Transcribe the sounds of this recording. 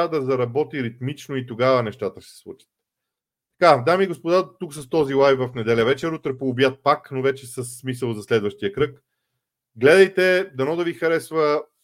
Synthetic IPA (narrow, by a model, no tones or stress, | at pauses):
d̪ɐzɐɾɐbɔt̪iɾit̪mit͡ʃnoit̪oɡavənɛʃt̪at̪əsɛ̥slˠṵt͡ʃə̥t̪̚ | t̪ːɐ̥kad̪amiːɡospod̪at̪uksɐst̪ɔzilˠajvvɐfnɛd̪ɛlʲɛvɛt͡ʃɛɾut̪ɾɛpoʊbjat̪̚paknovɛt͡ʃɛsəsːmisəlˠzɐslɛd̪vəʃt̪ijəkɾɤk | ɡlɛd̪ɐjt̪ɛd̪ɐnɔd̪ɐvixɐɾɛsvə